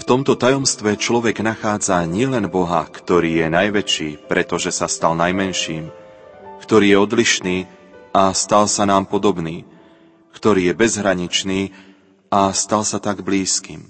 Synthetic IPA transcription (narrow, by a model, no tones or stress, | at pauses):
ft̪ɔmt̪ɔt̪ajɔmst̪ʋɛt͡ʃlɔʋɛɡnaxaːd͡zaɲɪɛlɛnbɔɦa̰kt̪ɔɾiːjɛnajʋɛt͡ʃiːpɾɛt̪ɔʒɛsast̪alnajmɛnʃiːm | kt̪ɔɾiːjɛɔd̪liʃniːast̪alsanaːmpɔd̪ɔbniː | kt̪ɔɾiːjɛbɛzɦɾaɲit͡ʃniː | ast̪alsat̪aɡbliːskḭːm